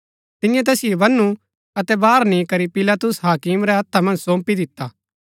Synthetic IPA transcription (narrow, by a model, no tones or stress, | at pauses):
t̪ɪjãt̪ɛːsɪjebɐnːu | ɐt̪ɛbaːɾnĩkɐɾipɪlat̪ʊsɦaːkimɾɛɦɐt̪ʰːamɐ̃nd͡ʒsõːmpid̪ɪt̪ːaː